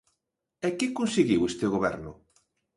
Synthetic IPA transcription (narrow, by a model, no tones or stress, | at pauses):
ɛkɪkonseɣiwest̪ɪoɣoβɛ̰ɾnʊ